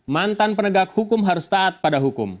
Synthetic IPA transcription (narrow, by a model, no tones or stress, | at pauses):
mant̪anpənəɡak̚hukʊmɦaɾʊst̪aːt̪̚padaɦukʊm